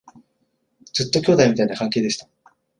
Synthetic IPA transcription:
d͡zɨt̪ːo̞kʲo̞ːd̪aimʲit̪ainakãŋkeːd̪eɕi̥t̪ḁ

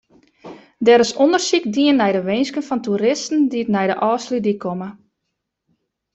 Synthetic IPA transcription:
dɛɾəsondərsikdiənːɛjdəʋɪjnskənfɔntuɾɪstn̩diətnɛjdəʔɔːslidikʰomə

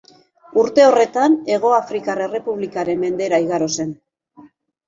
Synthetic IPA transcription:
uɾt̪e̞o̞re̞t̪ane̞ɣ̞o̞afɾikarere̞puβlikaɾe̞mːe̞nd̪e̞ɾaiɣaɾo̞se̞n

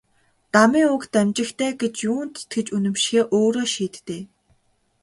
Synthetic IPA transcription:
t̪amiːŋʊkt̪æmt͡ɕɪ̆xt̪ʰæːɡet͡ɕjuːnt̪t̪ɡĕt͡ɕunɘ̆mʃxeːʔoːɾoːʃiːt̪ːeː

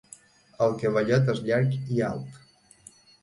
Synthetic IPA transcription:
əlˠkəβəʎɔt̪̬ezʎaɾkia̰lˠt̪

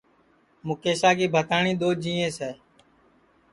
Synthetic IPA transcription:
mʊkeːsaːkiːbʱət̪aːɳĩːɗ̪oːd͡ʒĩːẽːsɛː

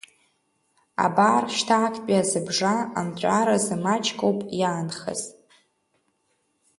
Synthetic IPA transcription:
a̰baːrʃtʰaːkʰʼpʼiazɨbʐaamt͡ʃʷʼaɾazɨmat͡ʃʰʼkʼowpʼjaːnχə̰z

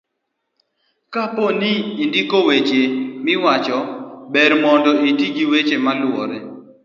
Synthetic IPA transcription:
kaponiːndikowet͡ʃemɪwat͡ʃɔbɛɾmɔndɔitiɡiwet͡ʃemalwɔɾɛ

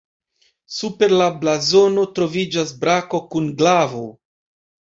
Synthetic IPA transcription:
supe̞ɾlablazo̞no̞tɾo̞vid͡ʒasbɾako̞kunɡlavo

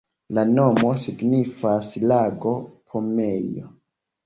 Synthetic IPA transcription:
lanomo̞siɡnifaslaɡo̞pʰomejo̰

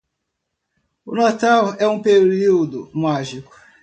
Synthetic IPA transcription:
ʊnat̪awɛũpeɾiwd̪ʊmaʒikʊ̥

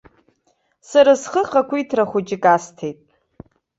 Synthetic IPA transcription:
saɾasχəχakʷʰitʰraχʷʊt͡ʃʼɪkʼastʰejtʼ

